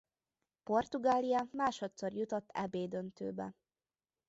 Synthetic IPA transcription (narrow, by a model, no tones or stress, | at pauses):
po̞rt̪uɡaːlijɒmaːʃo̞t̪so̞rjut̪ot̪ːɛ̰beːd̪ønt̪ø̰ːbɛ̰